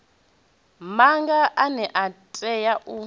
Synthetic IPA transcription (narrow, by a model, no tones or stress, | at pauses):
maŋɡaʔanɛʔatʼɛjaʔu